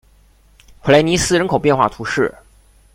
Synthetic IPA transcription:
xwla˧˥ɪni˧˥sɹ̩˥ɻə˧˥nkʰo˨˩ʊpjɛ˥˧nxwa˥˩t̪ʰu˧˥ʂɻ̩˥˩

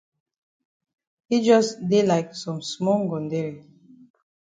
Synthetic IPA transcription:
hi˦d͡ʒɔ˦sde˦la˨ɪksɔ̃˨msmɔ˦lɡɔ̃˨nde˦ɹi˨

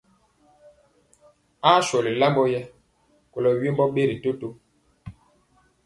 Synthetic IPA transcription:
a˦ʃɔ˨li˨la˦mbɔ˦jɛ˦ | ko˨lɔ˨ɥi˦mbɔ˦ɓe˦ɾi˨to˦to˦

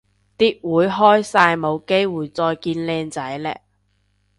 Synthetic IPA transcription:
t̪iː˥t̚wuː˨˧jɦɔː˥jsaː˧jmo˨˧wke˥jwuː˨˩jt͡sɔː˧jkiː˧nlɛː˧ŋt͡sɐ˨˥jlɛ̰ː˧˥k̚

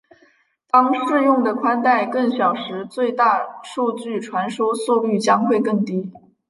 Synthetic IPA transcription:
t̪ɑ˥ŋʂɻ̩˥˧jʊ˥˩ŋd̪ə˩kʰwa˥nt̪a˥˧ɪkɤ˥˩ŋɕjɑ˨˩ʊʂɻ̩˧˥t͡swe˥˧ɪt̪a˥˧ʂu˥˧t͡ɕy˥˩ʈ͡ʂʰwa˧˥nʂo˥ʊsu˥˧ly˥˩t͡ɕjɑ˥ŋxwe˥˧ɪkɤ˥˩ŋt̪i˥

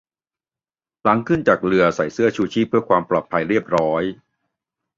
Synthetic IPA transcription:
la˩˦˥ŋkʰɯ˥˩nt͡ɕaː˨˩k̚ɾɯ˧ɐsa˨˩˦jsɯ˥˩ɐt͡ɕʰuː˧˩t͡ɕʰiː˥˩pʰːɯ˥˩ɐkwaː˧mplɔː˨˩t̪̚pʰa˧jɾi˥˩əp̚ɾɔː˦˥j

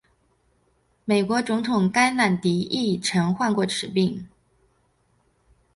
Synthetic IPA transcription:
me˨˩ɪkwɔ˧˥t͡sʊ˧˥ŋt̪ʰʊ˨˩ŋka˥ɪna˥˨˩nt̪i˧˥ʔi˥˩ʈ͡ʂʰɤ˧˥ŋxwa˥˧nkwɔ˥˩ʈ͡ʂʰɻ̩˨˩pi˥˩ŋ

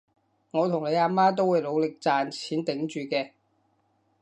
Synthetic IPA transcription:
ŋɔː˨˧t̪ʰʊ˨˩ŋle˨˧jaː˧maː˥t̪̬o˥wu˨˧jlo˨˧wlɪ˨k̚t͡saː˨nt͡sʰiː˨˥nt̪ɪ˨˥ŋt͡ʃyː˨kɛː˧

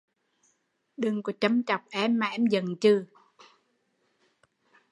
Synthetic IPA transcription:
ɗɨ˨˩ŋku˧˩˦t͡ɕə˧mt͡ɕɔ˨˩wk͡p̚ʔɛ˧mːaː˨˩ʔɛ˧mzə˨˩nt͡ɕɨ˧

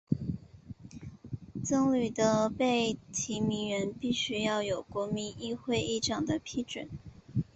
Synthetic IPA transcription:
t͡sɤ˥ŋly˨˩d̪ə˦pe˥˩ɪt̪ʰi˧˥mi˧˥ŋɥɛ˧˥npi˥˩ɕy˥jɑ˥˩ʊjo˨˩ʊkwɔ˧˥mi˧˥ŋi˥˧xwe˥˧ɪi˥˩ʈ͡ʂʰɑ˨˩ŋd̪ə˦pʰi˥ʈ͡ʂwə̰˨˩˦n

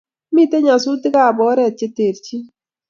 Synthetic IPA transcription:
mi˦˨te˦ɲa˨su˦tɪ˦ka˨bɔ˨˦ɾɛ˨t̚t͡ʃe˦te˨ɾt͡ʃi˦

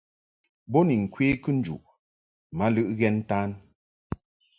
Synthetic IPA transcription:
bo˦ni˨ŋ̩˨kweː˦kɨ˦n̩˦d͡ʒṵ˨ʔ | ma˨˦lɨ˦ʔɣɛ˦n˦ta˦n

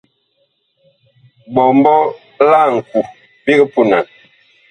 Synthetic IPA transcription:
bɔ˨mbɔ˦ | la˦˨ŋ̩˨ku˨ | bi˦ɡə˦pu˨na˨n

